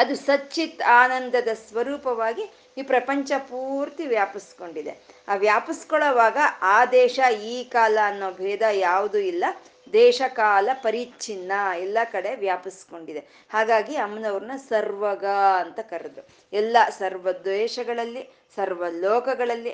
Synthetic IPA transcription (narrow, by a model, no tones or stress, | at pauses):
ɐd̪usɐt͡ʃːit̪aːnɐnd̪ɐd̪ɐsʋɐɾuːpɐʋaːɡi | iːpɾɐpɐɲt͡ʃɐpuːɾt̪iʋjaːpisko̞ɳɖid̪eaːʋjaːpiskɔɭɐʋaːɡɐaːd̪ɛːʃɐiːkaːlɐːnːoːbʱɛːd̪ɐjaːʋud̪uilːɐ | d̪ɛːʃɐkaːlɐpɐɾit͡ʃinːɐɛlːɐkɐɽe̞ʋjaːpisko̞ɳɖid̪e | haːɡaːɡiɐmnɐʋɾnɐsɐɾʋɐɡɐɐnt̪ɐkɐɾed̪u | ɛlːɐsɐɾʋɐd̪ʋɛːʃɐɡɐɭɐlːi | sɐɾʋɐlɔːkɐɡɐɭɐlːi